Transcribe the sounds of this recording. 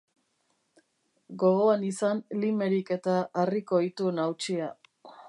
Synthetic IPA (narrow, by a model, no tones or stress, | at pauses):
ɡo̞ɣo̞anisanlime̞ɾike̞t̪aʔːriko̞it̪unawt͡ʃia